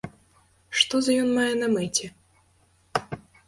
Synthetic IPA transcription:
ʂt̪ɔzɐjɔnmajɛnɐmɨtʲɛ

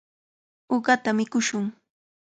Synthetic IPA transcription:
oɢɑt̪amɪkʊʃʊŋ

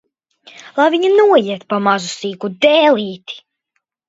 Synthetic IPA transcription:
lˠajviɲanuɔjiɛt̪pamazusiːkud̪ɛːlˠiːt̪i̥

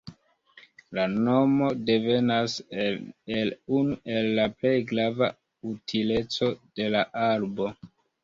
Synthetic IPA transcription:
lano̞mo̞de̞ve̞nas | elunuʔe̞lːaple̞jɡɾava | utʰile̞t͡so̞d̥e̞laʔaɾbo̞

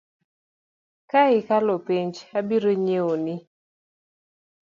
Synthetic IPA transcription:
kaɪkalopiɲd͡ʒabiɾoɲeonɪ

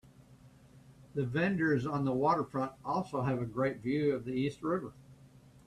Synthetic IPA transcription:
ðɨvɛ̃ndə˞zn̩ðəwɔɾə˞fɹʌ̃ntɔlˠsoʊɨvɨɡɹeɪtvjʉʌvðiist̚ɹɪvə˞

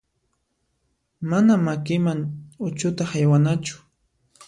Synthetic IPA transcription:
manamakɪmaŋʊt͡ʃʊt̪ahajwanat͡ʃʊ̥

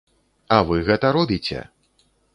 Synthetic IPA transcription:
avɨɣɛt̪ɐɾɔbʲit͡sʲɛ̰

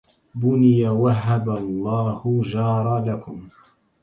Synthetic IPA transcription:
bʊnɪjawaɦːabalˤːɑːhʊd͡ʒɑːɾˤɑlakʊm

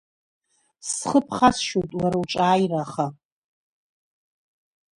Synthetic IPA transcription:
sχəpʰχasʃotʼlaɾawʈ͡ʂʼaːjraχa

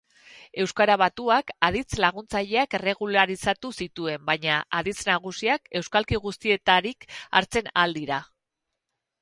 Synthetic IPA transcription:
e̞wskaɾaβ̞at̪uakað̞it͡slaɣ̞unt͡saʎe̞ake̞re̞ɣulaɾisat̪usit̪ue̞mbajɲaʔaðit͡snaɣ̞usiake̞wskalkiɣust̪ie̞t̪aɾika̰ɾt͡se̞nald̪iɾa

